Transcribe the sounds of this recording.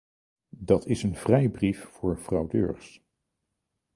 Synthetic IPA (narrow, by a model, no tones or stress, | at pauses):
dɑtʰɪsənv̥rɛjbriffʊːɹv̥rɑwdø̰ːɹχs